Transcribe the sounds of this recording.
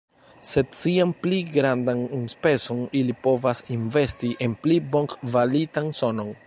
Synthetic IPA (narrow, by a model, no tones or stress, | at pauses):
se̞d̚t͡siampliɡɾandannspe̞so̞nilipo̞vasinve̞stiʔe̞nplibo̞ŋkvalitanso̞no̞n